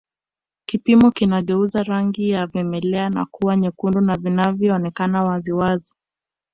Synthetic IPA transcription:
kipimɔkinaɠɛuzaɾaŋɡijavɛmɛlɛana̰kuwaɲɛkundunavinavjɔːnɛkanawaziwazi

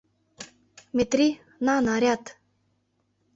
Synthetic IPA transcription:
mʲet̪ɾi | nanaɾʲjat̪

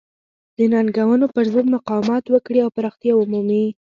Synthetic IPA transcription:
d̪̥ənɑnɡawənopəɾzod̪maqɑwamɑt̪wəkɽiawpaɾɑxt̪jaʊmumi

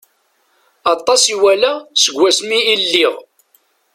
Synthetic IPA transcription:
ɑt̪ˤːɑsiwælæsəɡʷːæsmiːlːiʁ

